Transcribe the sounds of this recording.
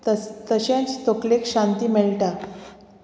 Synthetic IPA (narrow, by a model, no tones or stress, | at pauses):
t̪əɕẽnt͡st̪oklekɕãnt̪iːmeɭʈa